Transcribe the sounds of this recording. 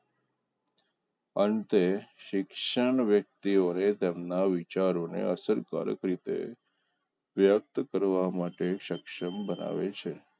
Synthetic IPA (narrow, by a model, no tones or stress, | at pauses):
ənt̪eʃɪkʃəɳʋjək̚t̪ionet̪emnaʋit͡ʃaɾonḛəsəɾka̰ɾə̰kɾit̪ḛ | ʋjək̚t̪kəɾʋamaʈeʃəkʃəmbəna̰ʋet͡ʃʰe